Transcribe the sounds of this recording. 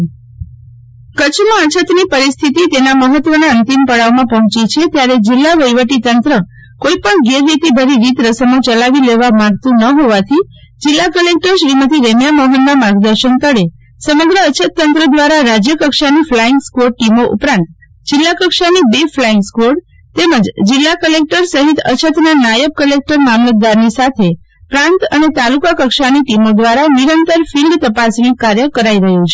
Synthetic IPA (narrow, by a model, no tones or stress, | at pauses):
kət͡ʃʰmãət͡ʃʰət̪nipəɾist̪ʰit̪it̪enaməɦət̪ʋənaənt̪impəɽaʋmãpəɦɔ̃t͡ʃit͡ʃʰet̪jaɾed͡ʒɪlːaʋəjʋəʈit̪ənt̪ɾə | koipəɳɡeɾːit̪ibʱəɾiɾit̪ɾəsənot͡ʃəlaʋileʋamãɡt̪ũnəɦoʋat̪ʰi | d͡ʒɪlːakəlek̚ʈəɾʃɾimət̪ʰiɾemjaməɦənːamaɡd̪əɾʃənt̪əɽe | səməɡɾəːt͡ʃʰət̪ːənt̪ɾəd̪ʋaɾaɾad͡ʒjəkəkʃaniflaɪŋɡskʋoɾʈimoʔṵpɾãnt̪ | d͡ʒɪlːakəkʃanibeflaiŋɡskʋoɽ | t̪eməd͡ʒd͡ʒɪlːakəlek̚ʈəɾsəɦit̪ə̰t͡ʃʰət̪nanajəp̚kəlek̚ʈəɾmamlət̪̚d̪aɾnisat̪ʰe | pɾãnt̪ənet̪alukakəkʃaniʈimod̪ʋaɾaniɾənt̪əɾfilɖt̪əpasnikaɾjəkəɾaiɾəɦut͡ʃʰe